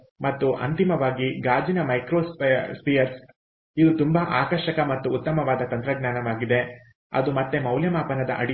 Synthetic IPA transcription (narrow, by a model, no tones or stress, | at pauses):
mɐt̪ːuʔɐ̰nt̪imɐʋaːɡiɡaːd͡ʒinɐmɐjkɾoːspspijɐɾs | id̪ut̪umbɐʔaːkɐʃɐkɐmɐt̪ːuːt̪ːɐmɐʋaːd̪ɐt̪ɐnt̪ɾɐɡnaːnɐʋaːɡid̪e̞ | ɐ̰d̪umɐt̪ːe̞mɐwljɐmaːpɐnɐd̪ɐ̰ʔɐ̰ɽi